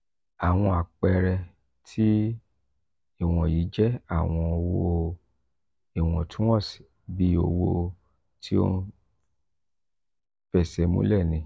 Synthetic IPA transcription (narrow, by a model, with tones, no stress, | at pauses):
a˨w̃ɔ̃˧a˨k͡pɛ˧ɾɛ˧ | tʰi˦ | e˦˨w̃ɔ̃˨ji˨˦d͡ʒɛ˦a˦˨w̃ɔ̃˧o˧wo˧ | e˨w̃ɔ̃˨tʰũ˦wɔ̃˦˨si̥˨ | bi˧˦o˧wo˧ | tʰi˦o̰˦˧n˦ | fɛ˨sɛ˨˦mṵ̃˦lɛ˦˨nĩ˧˦